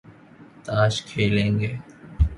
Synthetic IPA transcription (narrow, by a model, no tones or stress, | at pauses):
t̪aːʃkʰeːlẽːŋɡeː